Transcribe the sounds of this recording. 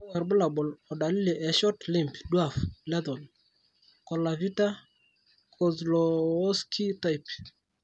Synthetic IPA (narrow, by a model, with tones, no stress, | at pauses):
wa˨ɾbʊ˦la˨bɔ˨lɔ˨da˨li˦li˨ʔɛ˨ʃɔ˦tli˦˨mpdwa˦˨flɛ˦ðɔ˨n | kɔ˨la˨vi˦ta˦ | kʰɔ˨zlɔː˨˦skʰi˦ta˦jp